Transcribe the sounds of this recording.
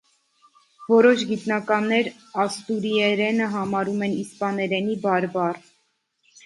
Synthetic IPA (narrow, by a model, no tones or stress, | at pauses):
vɔɾɔʃɡit̪nɑkɑnːɛɾ | ɑst̪uɾiɛɾɛnəɦɑmɑɾumɛnispɑnɛɾɛnibɑɾbɑr